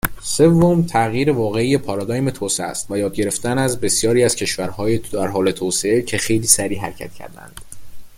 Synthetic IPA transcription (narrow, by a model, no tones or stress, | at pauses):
se̞vːomt̪ʰæɣjiːɾe̞vɒːɣe̞ije̞pʰɒɾɑd̪ɒːjme̞t̪ʰoːseæ̰st̪væjɒːd̪̚ɟe̞ɾe̞ft̪ænæzbe̞sjɒːɾiːæz̥cʰe̞ʃvæɾhɒːjeæɾɦɒːle̞t̪ʰoːseecʰe̞xe̞jliːsæɾiːɦæ̰ɾcʰæ̰t̪cʰæ̰ɾd̪æ̰nd̪̥